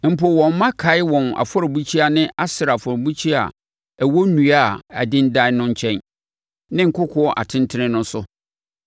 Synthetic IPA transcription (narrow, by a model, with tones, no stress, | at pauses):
m̩˨po˨wɔ̃˨m̩˦mã˦kʰa˨ɪ˦wɔ̃˨na̰˨fɔ˦ɾɔ˨bu˦t͡ɕʰi˦a˦nɪ̃˦ʔa˦sɪ˨ɾfɔ˨ɾbu˦t͡ɕʰi˦a̰˨ | æ˨wo˦nũ˨a˦˨a˨dɪ̃˦n˦dã˦nʊ̃˦ɲ˦t͡ɕʰɛ̃˦n | nɪ̃˦ŋ̩˨kʰʊ˦kʰʊ˦ɔ˦ʔa̰˨tʰɪ̃˦ntʰɪ˦nɪ̃˦nʊ̃˦sʊ˦